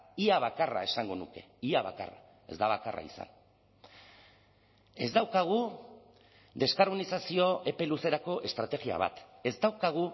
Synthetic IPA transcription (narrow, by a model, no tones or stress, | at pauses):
iaβ̞akara̰e̞saŋɡo̞nuke̞̰iaβa̰ka̰ra̰ | e̞zd̪aβakara̰isa̰n | e̞zd̪awkaɣ̞u | d̪e̞skaɾmunisasio̞e̞pe̞luse̞ɾako̞ʔe̞st̪ɾat̪e̞ɣia̰β̞a̰t̪e̞zd̪awkaɣ̞u